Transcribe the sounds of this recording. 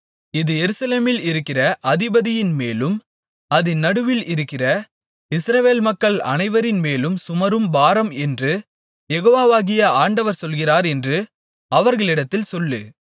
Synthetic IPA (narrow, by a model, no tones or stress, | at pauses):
ɪðɯjɛɾɯsɐleːmɪlɪɾɯkːɪrɐʔɐðɪbɐðɪjɪnmeːlɯm | ɐðɯnːɐɽɯʋɪlɪɾɯkːɪrɐ | ɪsɾɐʋeːlmɐkːɐɭɐ̰nɐɪʋɐɾɪnmeːlɯmsʊmɐɾɯmbaːɾɐmɛndrɯ | jɛɣoːʋaːʋaːɣɪjɐaːɳɖɐʋɐɾsɔlɣɪraːɾɛndrɯ | ɐʋɐɾɣɐɭɪɽɐt̪ːɪlsɔlːɯ̰